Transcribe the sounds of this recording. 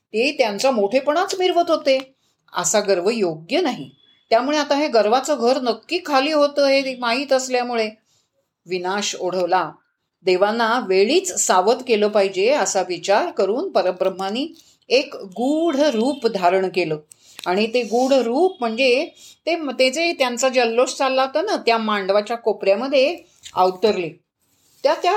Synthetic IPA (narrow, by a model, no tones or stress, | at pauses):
t̪et̪jant͡samoʈʰepəɳ̃at͡smiɾʋət̪ɦot̪e | ə̰saɡəɾʋəjoɡjənaɦi | t̪jamuɭeat̪aɦeɡəɾʋat͡səɡʱəɾnəkkiːkʰːaliːɦot̪əːɦemaɦiːt̪əsljamuɭe | ʋinaɕoɽ̤əʋla | d̪eʋanːaʋeɭiːt͡ssaʋət̪keləːpaɦid͡ʑeəsaʋit͡ɕaɾkəɾuːnpəɾəbɾəm̤ːaniː | ekɡuɽ̤ɾuːpd̪ʱaɾəɳkeləː | aɽ̃it̪eɡuɽ̤ɾuːp̚m̤əɳd͡zet̪emt̪et͡set̪jant͡sad͡ʑəlːost͡salːat̪ənat̪jamaɳɖʋat͡ɕjakopɾjaməd̪ʱːje | a̰ʋt̪əɾle | t̪jat̪ja